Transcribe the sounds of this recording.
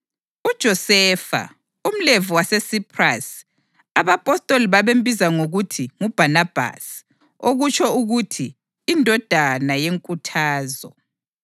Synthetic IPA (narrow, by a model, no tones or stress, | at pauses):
ud̥ʒ̥ʱɔsɛfa̰ | um̩levuwasesipʰʼra̰s | aβapʼɔstʼoliβaβem̩bʱizaŋoɣutʰiŋub̥ʱanab̥ʱa̰s | oɣut͡ʃʰʼɔuɣutʰiː | ndʱɔd̥ʱanajeŋkʼutʰaːzɔ